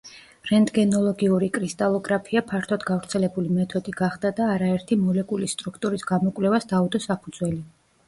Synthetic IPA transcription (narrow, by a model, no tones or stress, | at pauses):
ɾɛnd̪ɡɛnɔlˠɔɡiuɾikʼɾist̪ʼalˠɔɡɾapʰiapʰaɾt̪ʰɔd̪ɡavɾt̪sʰɛlɛbulimɛt̪ʰɔd̪iɡaχd̪ad̪aːɾaɛɾt̪ʰimɔlɛkʼulist̪ʼɾukʰt̪ʼuɾisɡamɔkʼvlɛvasd̪aud̪ɔsapʰud̪zwɛli